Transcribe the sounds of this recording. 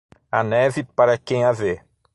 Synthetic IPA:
ɐnɛvɪpaɾɐkẽj̃ave

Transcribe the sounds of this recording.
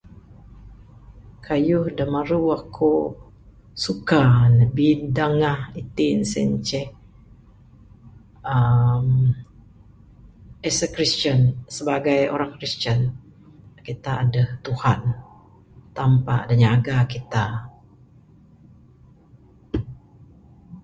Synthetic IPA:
kʰajuhdamaɾuakʰo | sukanəbindaŋahit̪insɛɲt͡ʃɛh | əm | ɛsəkɾist͡ʃənsəbaɡajo̰ɾaŋkɾistən | kit̪aːdəht̪uhan | t̪ampa̰ʔdaɲaɡakit̪a

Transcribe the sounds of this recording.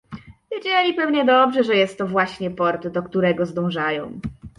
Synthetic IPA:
vʲjed͡ʑɛlʲipɛwɲɛd̪ɔbʐɛʐɛjɛst̪ːɔvwaɕɲɛpɔɾt̪d̪ɔkt̪uɾɛɡɔzd̪ɔ̃w̃ʐajɔ̃w̃

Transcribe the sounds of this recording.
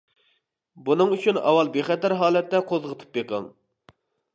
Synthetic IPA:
bunɨŋyt͡ʃʰynɑ̰wɑlˠbeχɛt̪æɾɦɑːlɛt̪ːɛqʰozʁət̪ʰɨ̥p̚jeqɑ̰ŋ

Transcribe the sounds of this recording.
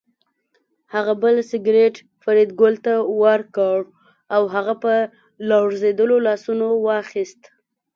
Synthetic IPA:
haɣabəlsɪɡɾeʈ | faɾid̪̚ɡolt̪awaɾkɑɽ | awɦaɣapə | lɑɽzed̪əlolɑsunowɑxist̪

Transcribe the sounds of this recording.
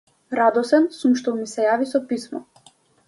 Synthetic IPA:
ɾad̪ɔsɛnsumʃt̪ɔmisɛjavisɔpismɔ

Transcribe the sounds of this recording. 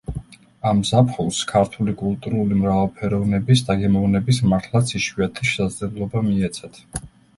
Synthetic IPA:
amzapʰχulˠskʰaɾt̪ʰulikʼulˠt̪ʼuɾulimɾavalˠpʰɛɾɔvnɛbisd̪aɡɛmɔvnɛbismaɾt̪ʰlˠat̪sʰiʃwiat̪ʰiʃɛ̥sad̪zlɛblˠɔbamiɛt̪sʰɛt̪ʰ

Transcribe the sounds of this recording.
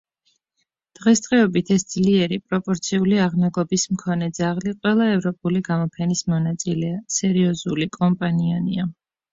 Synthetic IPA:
d̪̥ʁɛsd̪ʁɛɔbit̪ʰɛsd̪zliɛɾipʼɾɔpʼɔɾt̪sʰiuliaʁnɛɡˠɔbismkʰɔnɛd̪zaʁliqʼwɛlˠaɛvɾɔpʼuliɡamɔpʰɛnismɔnat̪sʼilɛasɛɾiɔzulikʼɔmpʼaniania

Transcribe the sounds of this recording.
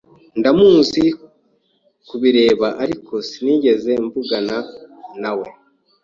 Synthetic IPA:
ndamuːnzi | kuβiɾe̞ːβaʔaɾikʰo̞siniːɟe̞ze̞ɱvuɡananawe̞

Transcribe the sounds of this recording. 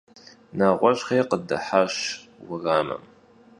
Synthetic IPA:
naːʁʷɔɕχeːqədɐ̰ħaɕwʊraːmɐ̰m

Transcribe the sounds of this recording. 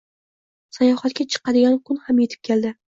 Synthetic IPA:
sajɒhat̪̚kʲat͡ʃʰɨ̥qɑd̪ɪɡʲankʰʊnhamjet̪ʰɪ̥p̚kʲeld̪ɪ

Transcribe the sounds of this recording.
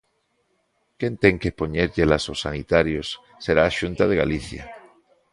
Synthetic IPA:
kent̪eŋkepoɲeɾʎelasosanit̪aɾjosː | eɾaːʃunt̪aðeɣa̰liθja̰

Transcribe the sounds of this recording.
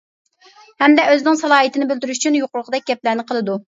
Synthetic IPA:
hɛmd̪ɛøzɪnɪŋsɑlˠɑːit̪ɪnɪbɪld̪yɾyʃyt͡ʃʰynjoqʊɾʊʁʰəd̪ɛk̚ʲɡʲɛp̚læɾnɪqʰəlˠɨd̪u

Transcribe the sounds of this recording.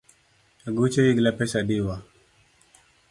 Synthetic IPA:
aɡut͡ʃewiɡlapɛsadiwa

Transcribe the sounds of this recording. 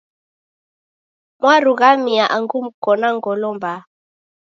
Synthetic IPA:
mwaɾuɣamiaʔaŋɡum̩kɔnaŋɡɔlɔmba

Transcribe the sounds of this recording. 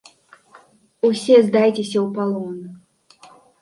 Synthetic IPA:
usʲɛzd̪ajt͡sʲesʲɐwpalˠɔn

